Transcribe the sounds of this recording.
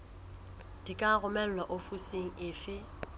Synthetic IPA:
d̥ikʼaɣʊmɛl̩lwaʔofuseŋ̩ɪːfɪ

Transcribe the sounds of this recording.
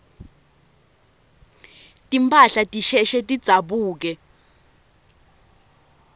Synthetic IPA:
tʼimpʰʼaɬatʼiʃɛʃɛtʼid̥z̥ʱaɓuːk̬ɛ

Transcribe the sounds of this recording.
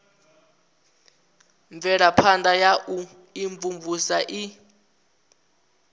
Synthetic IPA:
ɱvɛɺapʰandajaʔu | iɱvumvusaʔi

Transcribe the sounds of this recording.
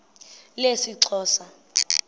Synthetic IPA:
lesiǀʰɔːsa

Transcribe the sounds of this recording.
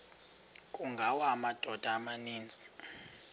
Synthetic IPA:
kʼuŋɡʱawaːmad̥ʱɔd̥ʱaːmaniːnd͡zʱi̥

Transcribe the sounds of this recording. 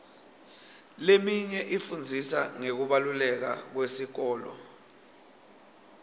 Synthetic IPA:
lemiɲɛʔifund͡zʱisa̰ŋek̬uɓalulɛk̬a̰k̬wesik̬ɔːlɔ̰

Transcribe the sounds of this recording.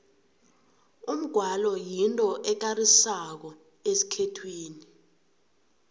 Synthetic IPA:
um̩ɡ̥ʱwalɔjintʼɔʔɛk̬arisak̬ɔ | esi̥kʰɛtʰwiːni

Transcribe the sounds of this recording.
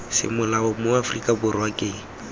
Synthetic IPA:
sɪ̰mʊlaʊmʊafrikʼabʊrwakʼeŋ̩

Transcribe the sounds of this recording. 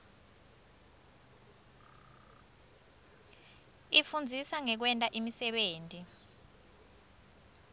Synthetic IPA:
ifund͡zʱisaŋɛk̬wɛntʼaʔimisɛɓeːntʼi

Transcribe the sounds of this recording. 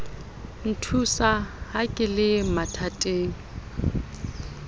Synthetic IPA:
n̩tʰusahakʼɪlɪmatʰatʼeːŋ̩

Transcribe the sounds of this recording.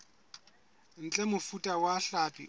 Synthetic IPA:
n̩t͡ɬʼɛmʊfutʼawaɬapʼḭ

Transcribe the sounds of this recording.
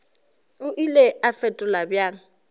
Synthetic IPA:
ʊʔileafɛtʼʊlabjaːŋ̩

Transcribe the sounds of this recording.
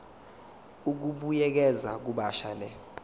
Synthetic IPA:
uk̬uɓujɛk̬ɛzak̬uɓaʃalɛ

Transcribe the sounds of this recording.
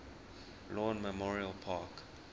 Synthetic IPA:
lɔ̃ːnməmɔɹiəlpʰaːk

